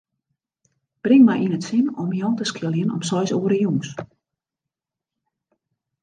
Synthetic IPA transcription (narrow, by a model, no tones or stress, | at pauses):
b̥rɪŋmajʔinətsɪnɔmjɔːntəskɪlˠjənɔ̰msɔjsoːəɾəjuŋs